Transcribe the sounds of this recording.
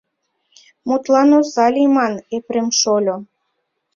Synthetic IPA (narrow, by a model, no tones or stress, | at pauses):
mut̪lɑnozɑlʲimɑnepɾemʃolʲo